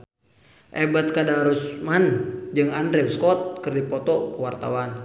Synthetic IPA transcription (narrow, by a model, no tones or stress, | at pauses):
ʔɛbat̪̚kadaːɾusmand͡ʒɨŋandɾɛpskɔt̪̚kɨrdipɔt̪ɔkuwart̪a̰wan